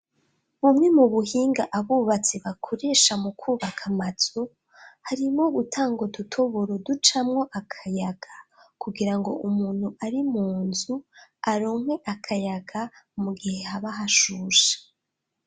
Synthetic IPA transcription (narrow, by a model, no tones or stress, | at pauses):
βumŋe̞muβuhiːŋɡaʔaβuːβat͡seβakʰo̞ɾe̞ːʃamukʰuːβakʰamat͡so | haɾimo̞ɡutʰaːŋɡo̞dutʰo̞βoɾodut͡ʃamŋo̞ʔakʰajaɡ̥akuɡiɾaŋɡo̞ʔumuːn̥huaɾimuːnzuaɾoːmhwe̞ʔakʰajaɡamuɡihe̞haβaɦaʃuːʃḁ